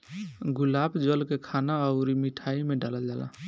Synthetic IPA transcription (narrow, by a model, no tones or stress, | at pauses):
ɡulabd͡ʒəlkekʰanaɔʊɾimiʈʰaimeɖaləld͡ʒala̰